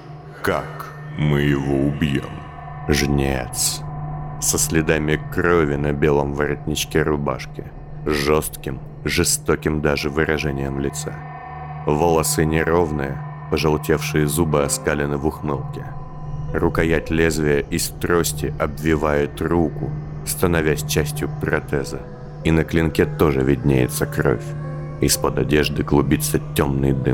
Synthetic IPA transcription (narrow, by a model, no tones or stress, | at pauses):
kak | mɨjɪvoʊbjo̰m | ʐnʲḛt̪s | səsʲlʲɪd̪amʲɪkrovʲɪnɐbʲelˠəmvəɾɐt̪ʲnʲɪt͡ɕkʲeɾʊba̰ʂkʲɪ | ʐost̪kʲɪm | ʐɨst̪okʲɪmd̪aʐɨvɨɾɐʐɛnʲɪjəmlʲɪt̪sa̰ | vəlˠɐsɨnʲɪɾo̞vnɨjə | pəʐɐlˠtʲe̞fʂɨjəzubɨɐskalʲɪnɨvʊxmɨlˠkʲɪ | rʊkɐjætʲlʲezvʲɪjəʔɪst̪ɾosʲtʲɪʔɐbvʲɪvajʊt̪rukʊ | st̪ənɐvʲæsʲt͡ɕæsʲtʲjʊpɾɐ̰t̪ɛzə | inəklʲɪnkʲet̪o̞ʐɨvʲɪdʲnʲḛjɪ̰t̪səkro̞̰fʲ | ɪspəd̪ɐdʲeʐd̪ɨɡlˠʊbʲit̪sətʲːomnɨjd̪ɨ̰m